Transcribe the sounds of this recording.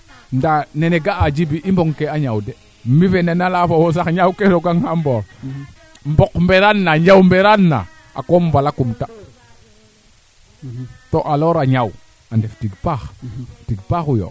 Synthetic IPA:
ndaneneɡaad͡ʒibiʔimboŋkeaɲawde | mivenenalafowosaɲawkeɾoɡaŋhambo | mbokmbeɾanːaɲd͡ʒawmbeɾanːa̰ | a̰kombalakumta | toʔaloɾaɲaw | andeftiɡpaxtiɡpaxujo̰

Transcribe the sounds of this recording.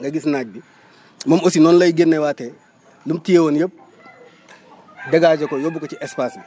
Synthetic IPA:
ŋɡɐɡisnaːɟ̚bi | mɐmosinɔːnlɐjɡenːɐwaːtɛ | lumtijewonjəp̚ | dɐɡaːɟɐkojɔbukot͡ʃiʔɛspaːsbi

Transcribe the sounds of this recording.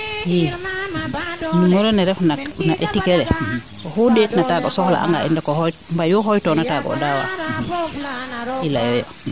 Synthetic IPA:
hi | numɔɾɔnɛɾɛfnanaʔetikɛlɛ | kɔhudetnataɡɔsɔhla̰ʔa̰ŋɡa̰ʔindakɔhɔjmbajɔɦɔjtɔnataɡɔ̰ːdawa̰ | ilaɛja̰

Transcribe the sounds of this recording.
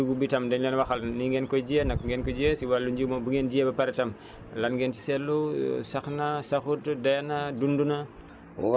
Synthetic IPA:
uɡubitɐmdɛnlɛnwɐxɐlniŋɡɛnkɔd͡ʒijɐnɐkŋɡɛnkɔd͡ʒiɐsiwalːuɲd͡ʒumobuɡend͡ʒiebɐpɐɾɛtɐm | lɐnɡɛnti̥sɛlːusɐxnasɐxutdɐjnadundunɐ̰

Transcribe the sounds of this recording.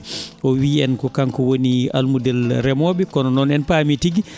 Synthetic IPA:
ʔɔwiɛnkɔkaŋkɔwonia̰lmudɛlɾɛmɔːɓɛkɔnɔnɔnɛnpaːmitiɡi

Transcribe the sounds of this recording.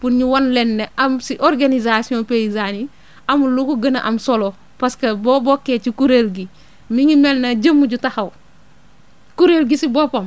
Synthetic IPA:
punɲiwanlenːeʔamsiʔoɾɡanizasiõpeizani | ɐmulukuɡɐna̰ʔɐmsolo | paskɐbobokːeːt͡ʃikuɾelɡi | miŋimelnɐɟəmːuɟutahɐw | kuɾelɡisibopam

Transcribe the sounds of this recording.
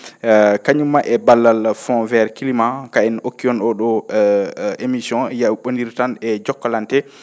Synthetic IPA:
kaɲumːaʔɛbalːalfɔ̃vɛɾkilimakaɛnokːiɔnɗɔɗɔ | emisjɔ̃jawɓondiɾtanɛd͡ʒɔkːalantɛ

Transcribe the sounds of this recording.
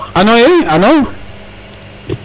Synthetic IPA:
anoeano

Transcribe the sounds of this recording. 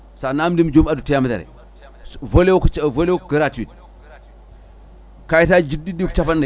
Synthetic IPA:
sanamdimd͡ʒumadutijamda̰ɾḛ | volewkvolewkɡəɾatid̚ | kajitad͡ʒididiku̥t͡ʃapande

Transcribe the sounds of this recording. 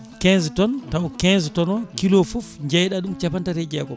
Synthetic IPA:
kɛnztɔntawkɛnztɔnɔkilofufɲd͡ʒɛjɗaɗumt͡ʃapantaɾɛd͡ʒɛːkɔ

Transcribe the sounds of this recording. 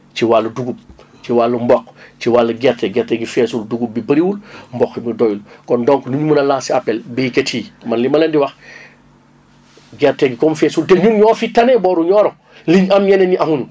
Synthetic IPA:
ciwalːuduɡub̚ | t͡ʃiwalːumbɔkːt͡ʃiwalːɐɡɛɾtɛɡɛɾtɛɡifɛːsulduɡub̚bipɐɾiwulmbɔximidɔjulkɔndɔŋknuɲumunɐlaːsiapːɛlbɛketʰiːmɐnlimɐlɐndiwɐx | ɡɛɾtɛɡikɔmfɛsulteɲunɲɔːfitanɛbɔːɾuɲɔːɾɔ | liɲɐmjɛneniʔaɦunu

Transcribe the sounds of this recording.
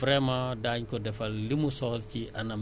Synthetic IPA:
fɾɛmadaːɲkɔdɛfɐlːimusɔːlciʔɐnɐm

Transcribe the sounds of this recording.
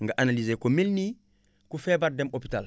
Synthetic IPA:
ŋɡaʔanalizekomilni | kufebaɾdɛmopi̥tal

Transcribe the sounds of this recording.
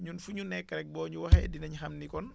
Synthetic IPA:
ɲunfuɲunɛkːɐɾɛk̚bɔːɲuwɐxɛdinɐɲuxɐmnikɔn

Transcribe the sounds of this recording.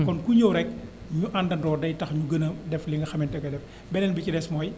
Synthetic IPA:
kɔnkuɲɐwɾɛk | ɲuʔɐndɐndɔːdɐjtɐxɲuɡɐnɐdɛfliŋɡɐxɐmɛntɐɡɐdɛf | bɛnɛnbicidɛsmɔːj

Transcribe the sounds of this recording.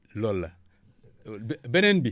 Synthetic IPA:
lolːa̰ | bɛnenbi

